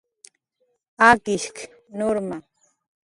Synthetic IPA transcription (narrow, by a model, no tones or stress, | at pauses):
akɪʃk | noɾma